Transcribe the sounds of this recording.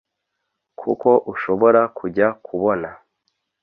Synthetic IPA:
kʰṵko̞ʔuʃo̞βo̞ɾakʰuɟakʰuβo̞na

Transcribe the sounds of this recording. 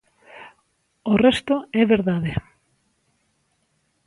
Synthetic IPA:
orɛst̪oɛβeɾðaðe

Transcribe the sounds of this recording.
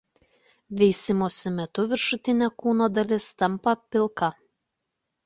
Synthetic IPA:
ʋʲɛɪsʲɪmoːsʲɪmʲɛt̪ʊʋʲɪɾʃʊt̪ʲɪnʲɛkuːnoːd̪ɐlʲɪst̪ɐmpɐpʲɪlˠˑkɐ

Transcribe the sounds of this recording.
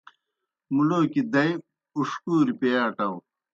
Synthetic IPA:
muloːkid̪ɐj | uʂkuːɾipejaːʈɐw

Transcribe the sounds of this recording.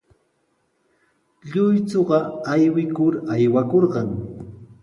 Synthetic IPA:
ʎʊjt͡soɢɑajwɪkʊɾajwakoɾɢɑŋ

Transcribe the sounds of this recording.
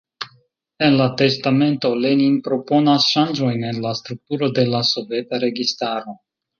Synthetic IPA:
e̞nlate̞stame̞nto̞leninpɾo̞po̞nasʃand͡ʒo̞jne̞nlast̪ɾuk̚tuɾo̞de̞laso̞ve̞taɾe̞ɡistaɾo̞

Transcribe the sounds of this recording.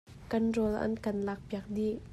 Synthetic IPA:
kanrɔlʔɐ̰nkɐnlak̚biak̚diʔ

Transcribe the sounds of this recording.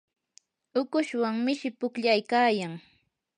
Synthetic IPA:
ʊkʊʃwaŋmɪʃɪpʊkʎajkaːjaŋ

